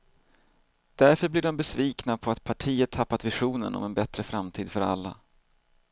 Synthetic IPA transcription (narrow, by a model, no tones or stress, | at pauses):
d̪̥æɾfœɾblɪɖɔmbɛsviːknapʰɔat̪̚pʰaʈʰiːət̪ʰːapːat̪vɪɧuːnə̰nɔ̰mɛnbɛt̪ɾəfɾamt̪ʰiːd̪fœɾa̰lːa̰